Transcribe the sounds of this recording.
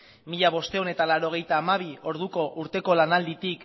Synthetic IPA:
miʎaβ̞o̞st̪e̞one̞t̪alaɾo̞ɣ̞e̞jt̪aːmaβ̞io̞ɾðuko̞ʔuɾt̪e̞ko̞lanald̪it̪ik

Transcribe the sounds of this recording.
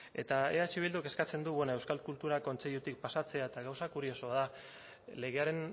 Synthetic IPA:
e̞̰t̪aḛat͡ʃiβ̞ild̪uke̞skat͡se̞nd̪uβenoe̞wskalkult̪uɾako̞nt͡seʎut̪ik̚pasat͡se̞aet̪aɣawsakuɾio̞so̞aða | le̞ɣ̞e̞aɾe̞n

